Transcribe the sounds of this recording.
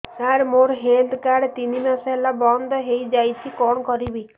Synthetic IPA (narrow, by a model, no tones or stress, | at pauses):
aɾmoɾɦeld̪kaɽt̪inimasɔelabɔnd̪ʱɔɦejd͡ʒajt͡ʃʰikɔɽ̃ɔkɔɾibi